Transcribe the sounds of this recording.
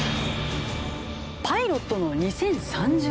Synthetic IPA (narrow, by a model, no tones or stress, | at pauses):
pʰaiɾot̪ːo̞no̞ɲ̟isẽ̞ɰ̃sãɲ̟d͡ʑ